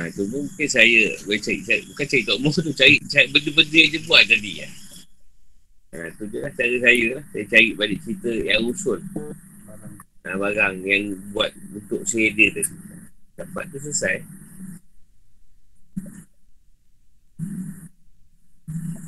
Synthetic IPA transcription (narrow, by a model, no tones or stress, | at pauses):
at̪umuŋukɪnsajəbat͡ʃaɾiʔsaʔbukant͡ʃaɾiʔt̪ɔʔmɔt̪ut͡ʃaɾiʔt͡ʃabəndəbədəad͡ʒəbuat̪̚t̪adia̰ | at̪ud͡ʒulaht͡ʃaɾəsajəlahsajət͡ʃaɾiʔ̪̚baliʔt͡ʃit̪əjaŋusʊl | abaɾaŋjaŋbuat̪̚bənt̪ʊʔsajədəd̪adidapa̰t̪̚t̪ːus̬əsaj